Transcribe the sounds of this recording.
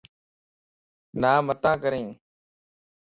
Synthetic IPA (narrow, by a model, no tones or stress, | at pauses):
naːmət̪ãːkəɾẽː